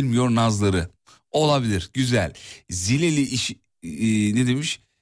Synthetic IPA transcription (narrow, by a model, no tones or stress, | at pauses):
lʲmijo̞ɾnazlˠaɾɯ | o̞lˠabilʲiɾɟyzælʲzilʲelʲiiʃ | ned̪emiʃ